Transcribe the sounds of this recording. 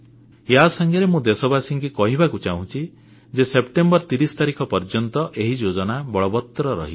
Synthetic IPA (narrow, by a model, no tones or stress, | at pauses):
jɦasaŋɡiɾemũd̪esɔbasiŋkikɔɦibakut͡ʃaɦũt͡ʃʰi | d͡ʒesepʈembɔɾt̪iɾist̪aɾikʰɔpɔɾd͡ʒɔnt̪ɔʔeɦid͡ʒod͡ʒɔnabɔɭɔbɔt̪ːɾɔɾɔ̰ɦi